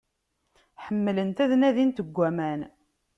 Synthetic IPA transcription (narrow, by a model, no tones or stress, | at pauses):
ħəmːlənt̪æðnæðint̪əɡʷːæmæn